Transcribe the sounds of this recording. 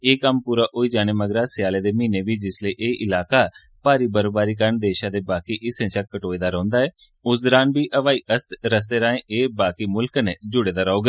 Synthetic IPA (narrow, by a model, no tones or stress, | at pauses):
eːkəmpuːɾaːʔʊiːd͡ʒaːɽ̃eːməɡɾaːsɪjaːleːd̪eːmĩːneːbiːd͡ʒɪsleːʔeːʔɪlaːkaː | paːɾiːbəɾobaːɾiːk̬əɾəɳd̪eːʃãːd̪eːbaːkiːʔɪsẽːt͡ʃəkːəʈoːeːd̪aːɾə̃ːnd̪aːɛː | ʊsd̪ɔɾaːnbʱiːʔəʋaːiːəst̪ɾəs̬t̪eːɾaːẽːʔeːbaːkiːmʊlkned͡ʒʊɽeːd̪aːɾəoːɡ